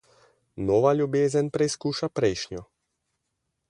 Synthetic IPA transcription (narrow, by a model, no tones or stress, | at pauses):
nɔʋaʎubjɛzɛnpɾɛskuːʃapɾɛjʃɲɔ